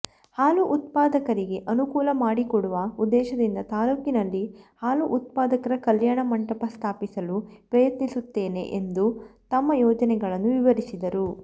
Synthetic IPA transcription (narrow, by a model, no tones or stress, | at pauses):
haːluʔut̪̚paːd̪ɐkɐɾiɡe̞ʔɐnukuːlɐmaːɽikɔɽuʋɐud̪ːɛːʃɐd̪ind̪ɐt̪aːluːkinɐlːihaːluʔut̪̚paːd̪ɐkɐɾɐkɐljaːɳɐmɐɳʈɐpɐst̪ʰaːpisɐlupɾɐjɐt̪nisut̪ːe̞ːne̞̰ʔend̪ut̪ɐmːɐjɔːd͡ʒɐnɛɡɐɭɐnːuʋiʋɐɾisid̪ɐɾu